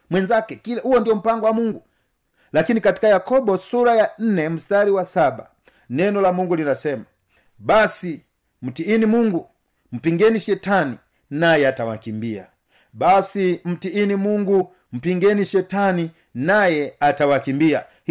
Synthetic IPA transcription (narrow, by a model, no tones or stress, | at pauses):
mwɛnd͡ʒakɛkilahuwɔndijɔm̩paŋɡɔwamuŋɡu | lakinikati̥kajakɔbɔsuɾajan̩nɛm̩staliwasaba̰ | nɛnɔlamuŋɡulinasɛma | basi | m̩tiːnimuŋɡu | m̩piŋɡɛniʃɛtani | najɛatawa̰kimbia̰ | basim̩tiinimuŋɡu | m̩piŋɡɛniʃɛtani | najɛatawakimbia